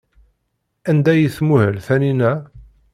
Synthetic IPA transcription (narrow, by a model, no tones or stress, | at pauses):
ænd̪æjəθmuhəlθæninæ